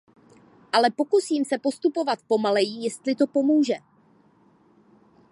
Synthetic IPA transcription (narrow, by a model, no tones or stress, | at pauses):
ʔalɛpo̞kusiːmsɛpo̞st̪upo̞vat̪po̞malɛjijɛst̪lɪt̪o̞po̞muːʒɛ